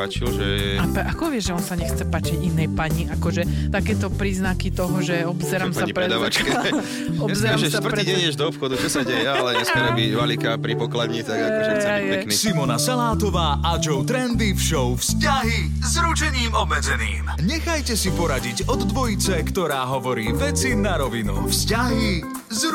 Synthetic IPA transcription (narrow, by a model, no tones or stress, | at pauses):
at͡ʃilʒɛɛapʔakɔʋɪɛʒʒɛɔnsaɲɛxt͡sɛpaːt͡ʃiɟinɛjpaɲiakɔʒɛt̪akɛːt̪ɔpɾiːznakit̪ɔɦɔʒɛɔbzɛɾamsaaɲipɾɾɛd̪aʋat͡ʃkɛ | ɔbzɛɾaʒɛʃt̪̩tɾɛiɟɛɲɛʒd̪ɔːpxɔd̪ut͡ʃɔsaɟɛjɛalɛɲɛsmɛɾɛbiʋalikapɾipɔklad̪ɲit̪aɡakɔʒɛjaɛiknisimɔnasalaːt̪ɔʋaːʔad͡ʒɔʊt̪ɾɛnd̪ifʃɔʊfscaɦi | zɾut͡ʃɛɲiːmɔbmɛd͡zɛnḭːmɲɛxajcɛsipɔɾaɟiɟɔd̪ːʋɔjit͡sɛkt̪ɔɾaːɦɔʋɔɾiːʋɛt͡sinaɾɔʋinufscaɦi | z